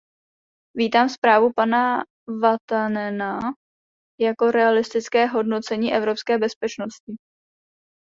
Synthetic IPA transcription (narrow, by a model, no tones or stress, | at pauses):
viːt̪aːmspɾaːvupana | vat̪anɛna | jako̞ɾɛalɪst̪ɪt͡skɛːɦo̞dno̞t͡sɛɲiːʔɛvɾo̞pskɛːbɛspɛt͡ʃno̞scɪ